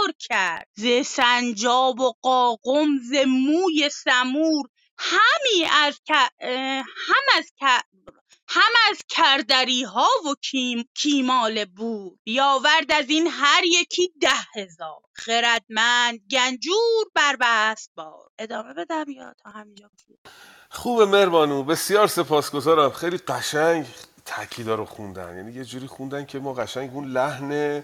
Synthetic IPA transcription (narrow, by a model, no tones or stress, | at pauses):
ɾcʰæɾd̪̥zesænd͡ʒɒːboɢɒːɣomze̞mːuːje̞sæmuːɾ | hæmiːæzkʰæ | hæmæzæ | hæmæzckʰæɾd̪æɾiːɦɒːvocʰiːmɒːlebuːɾbijɒːvæɾd̪æziːnɦæɾje̞cʰiːd̪æhhezɒːɾχeɾæd̪mænd̪̚ɡænd͡ʒuːɾbæɾbæst̪̚bɒ̰ːɾʔe̞d̪ɒːme̞be̞d̪æmjɒ̰ːt̪ʰɒːɦæmiːnd͡ʒɒːkʰu | xuːbeme̞ɾbɒːnuːbe̞sijɒːɾse̞pʰɒːsɡo̞zɒːɾæmxejliːɢæʃæŋɡt̪ʰæcʰiːd̪ɒːɾoxund̪æ̰njæ̰nijed͡ʒuːɾiːxund̪æncʰemɒːɣæʃæŋɡunlæhne